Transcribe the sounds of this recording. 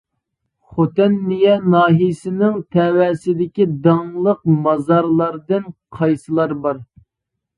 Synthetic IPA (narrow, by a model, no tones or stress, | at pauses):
χot̪ɪnːijɛnɑːɦijsɪnɪŋt̪ʰɛwɛsɪd̪ɪkʲid̪ɑŋlˠəq̚mɑzɑɾlˠɑɾd̪ɨnqʰɑjsɨlˠɑɾbɑɾ